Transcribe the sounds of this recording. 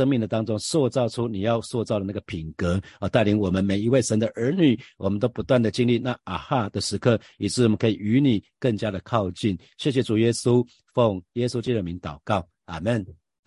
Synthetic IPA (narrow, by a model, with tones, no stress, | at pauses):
ə˥ŋmi˥˩ŋd̪ə˩t̪ɑ˥ŋʈ͡ʂʊ˥ŋswɔ˥˧t͡sɑ˥˩ʊʈ͡ʂʰu˥ni˨˩jɑ˥˧ʊswɔ˥˧t͡sɑ˥˩ʊd̪ə˩na˥˩ɡə˩pʰi˨˩ŋkɤ˧˥˦ə˨˦t̪a˥˩ɪli˧˥ŋwɔ˨˩mə˨˦nme˨˩ɪi˧˥we˥˩ɪʂə˧˥nd̪ə˨ʔə˞˧˥ny˨˩wʔɔ˨˩mə˦nt̪o˥ʊpu˧˥t̪wa˥˩nd̪ə˩t͡ɕi˥ŋli˥˧na˥˩a˨˩xa˥˩d̪ə˨ʂɻ̩˧˥kʰɤ˥˩ | i˨˩ʈ͡ʂɻ̩˥˩wɔ˨mə˦nkʰɤ˧˥i˨˩y˧˥ni˨˩kə˥˩ŋt͡ɕja˦˥d̪ə˨kʰɑ˥˧ʊt͡ɕi˥˩n | ɕjɛ˥˩ɕ̬jɛ˨˩t͡su˨˩jɛ˦˥su˦ | fo˥˩ŋjɛ˥su˥t͡ɕi˥t̪u˨˩˨mi˨˧˥ŋt̪ɑ˨˩ʊkɑ˥˩ʊ | a˨˩mə˥˨n